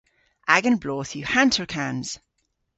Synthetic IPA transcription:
ʔaɡə̃nbloːθjəhãntʰəɹkʰãnz̥

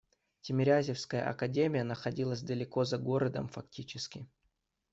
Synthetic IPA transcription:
tʲɪmʲɪɾʲazʲɪfskəjə̰ʔɐ̰kɐdʲemʲɪjənəxɐdʲilˠəsʲd̪əlʲɪko̞zɐɡo̞ɾəd̪ə̰mfɐk̚tʲit͡ɕɪskʲɪ

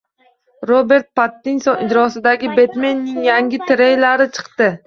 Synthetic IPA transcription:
ɾobe̞ɾt̪̚pat̪ːinsɒnɪd͡ʒɾɒsɪd̪aɡʲɪbe̞t̪menːɪŋjaŋʲɪt̪ʰɪɾejlaɾɪt͡ʃʰɨ̥qt̪ɪ

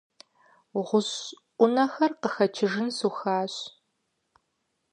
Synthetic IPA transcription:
ʁʷʊɕʔʷʊnɐxɐrqəxɐt͡ʃʰɪʒɨnsuxaːɕ

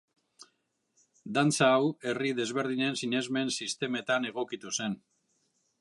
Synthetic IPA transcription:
d̪ant͡saːwe̞riðe̞zβ̞e̞ɾðiɲe̞nsiɲe̞zme̞nsist̪e̞me̞t̪ane̞ɣ̞o̞kit̪use̞n

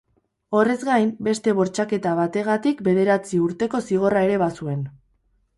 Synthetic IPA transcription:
o̞re̞zɡajmbe̞st̪e̞β̞o̞ɾt͡ʃake̞t̪aβat̪e̞ɣ̞at̪ikbe̞ð̞e̞ɾat͡siuɾt̪e̞ko̞siɣ̞o̞rae̞ɾe̞βasue̞n

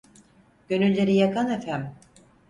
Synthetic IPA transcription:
ɟ̥ønylʲːe̞ɾijakʰanefæm

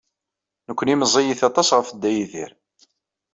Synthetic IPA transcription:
nəkʷːəniməzˤijiθɑt̪ˤɑsʁəfəd̪ːæjiðḭɾ

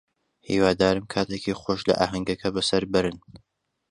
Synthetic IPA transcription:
hḭːwaːd̪aːɾɨmkʰaːt̪ʰecixoːʃlɐ̰ʔaːɦɐŋɡɐkʰɐbɐsɐɾbɨɾɨn

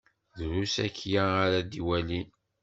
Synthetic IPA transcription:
ðɾusækːjaːɾæd̪iwælin

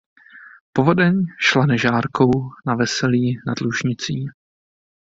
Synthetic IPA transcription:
povo̞dɛɲʃlanɛʒaːɾko̞wnavɛsɛliːna̰dluʒɲɪt͡siː

